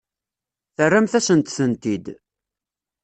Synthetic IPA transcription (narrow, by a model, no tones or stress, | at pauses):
θərːæmθæsənt̪θənt̪id̪